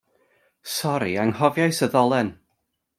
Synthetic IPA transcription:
sɔɾiaŋhɔvjajsəðɔlˠɛn

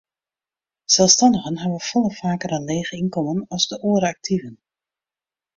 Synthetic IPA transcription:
sɛlˠfstɑndəɣənɦaʋəfɔlˠəfaːkəranleːɣəinkɔmənɔzdəʔoəɾəak̚tʰivən

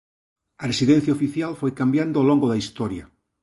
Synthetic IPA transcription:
ɐresiðẽn̟θjaofiθjalfojkambjand̪oloŋɡoðaist̪ɔɾja

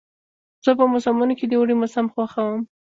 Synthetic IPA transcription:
z̥əpəmʊsɑmunoked̪əwɽimʊsamxwaxawəm

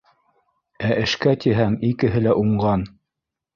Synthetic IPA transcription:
æʔɘ̆ʃkæt̪iɦæŋikɘ̆ɦɘlæʔuɴɢɑn

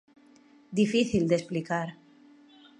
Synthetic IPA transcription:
d̪ifiθild̪esplikaɾ

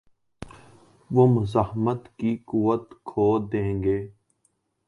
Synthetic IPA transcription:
ʋomʊzahmət̪kikuʋət̪kʰoːd̪ẽːŋɡeː

